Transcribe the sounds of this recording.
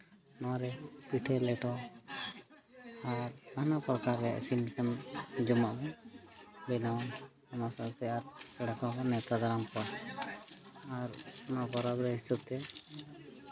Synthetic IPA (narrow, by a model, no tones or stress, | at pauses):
nɔaɾɛpiʈʰɛlɛʈɔ | aɾnanapɾɔkaɾːɛja̰ʔsinkamd͡ʒɔmaʔbɛ | bɛlɔ | ɔmasɔsɛaɾkɛɽakɔkɔnɛt̪ad̪aɾamkɔɾ | aɾɔnabɔɾabɾɛɦisɔb̚t̪ɛ